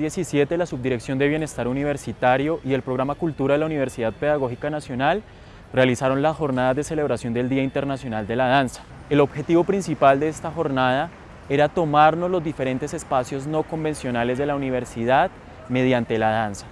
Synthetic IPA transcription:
esisje̞t̪e̞lasub̚d̪iɾe̞ksjo̞nd̪e̞βjene̞st̪aɾuniβ̞e̞ɾsit̪aɾjo̞ʔie̞lpɾo̞ɣɾamakult̪uɾaðe̞launiβ̞e̞ɾsiðað̚pe̞ð̞aɣo̞xikanasjo̞nal | realisaɾo̞nlasxo̞ɾnað̞azðe̞se̞le̞β̞ɾasjo̞nd̪e̞ld̪iaint̪e̞ɾnasjo̞nald̪e̞lað̞ansḁ | e̞lo̞βxe̞t̪iβo̞pɾinsipald̪eest̪axo̞ɾnað̞a | e̞ɾat̪o̞maɾno̞zlo̞zd̪ife̞ɾe̞nt̪e̞se̞spasjo̞zno̞ko̞mbe̞nsjo̞nale̞zd̪elauniβe̞ɾsiðað | me̞ðjant̪e̞laðansḁ

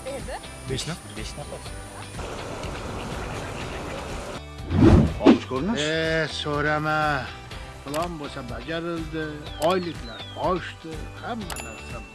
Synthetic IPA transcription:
e | beʃna | beʃna | ɒ̰ʃkʰoɾnaesoɾama | pʰlˠɒnbosabad͡ʒaɾɪlˠd̪ɪɒjlɪkʲʰlaɾt̪ʰɒʃt̪ɪhamːanaɾsa

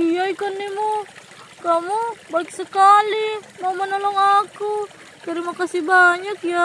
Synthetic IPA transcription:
ijaikanːimu | kamubaik̚səkalimaumanɔlɔŋaku | kaɾimakasibaɲakja

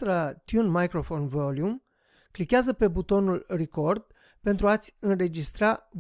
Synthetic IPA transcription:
ɾat̪junmajkɾo̞fo̞nvoljum | klikeazəpe̞but̪o̞nulriko̞rd̪ | pe̞nt̪ɾuat̪sʲɨnre̞d͡ʒist̪ɾa

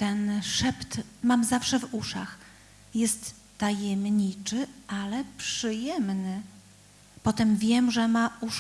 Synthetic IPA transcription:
t̪ɛnʂɛpt̪mamzafʂɛvuʂa̰x | jɛst̪ː | ajɛmɲit͡ʂɘʔalɛpʂɘjɛmnɘ | pɔt̪ɛmvʲjɛmʐɛmauʂ

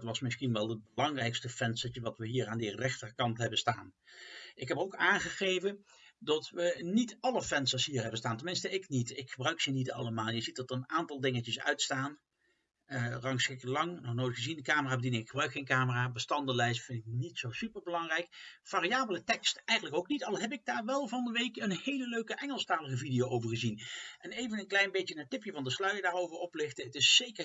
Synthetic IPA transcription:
tʋɑsmɪsχinʋɛlˠəd̚bəlɑŋrɛjkstəfɛnsət͡ʃəʋɑtʋəɦiːraːndərɛχtərkɑntɦɛbənstaːn | ɪkɦɛpowkaːnχəχejvən | dɑtʋənitɑləfɛnsəsɦiːrɦɛbənstaːntənmɪnstəɪknitɪkχəbrœɥksənitɑlˠəmaːlˠjəzit̚dɑtərənaːntɑlˠdɪŋət͡ʃəsœ̰ɥtstaːn | ərɑŋsɪklɑŋnɔχnojtχəzindəkaːməraːbədinɪŋɪkχəbrœɥkχejnkaːməraːbəstɑndəlɛjstfɪntɪk̚nitsowsypəɹbəlɑŋrɛjkfaːrijaːbələtɛkstɛjχənləkowknitɑlˠɦɛp̬ɪɡ̚daːɹʋɛlˠvɑndəʋejkənhejləløɥkəʔɛŋəlˠstaːləɣəvidijowʔowvəɹχəzinʔɛnejvənənklɛjnbejtjənaːtɪpjəvɑndəslœɥədaːrowvəɹɔplɪxtəətɪsːejkər

